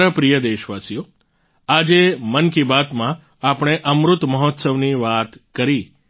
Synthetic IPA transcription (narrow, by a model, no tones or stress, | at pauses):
ɾəpɾijəd̪eʃʋasijo | ad͡ʒemənkibat̪mã | apɽ̃eʔəmɾʊt̪məɦɔt̪səʋniʋat̪kəɾi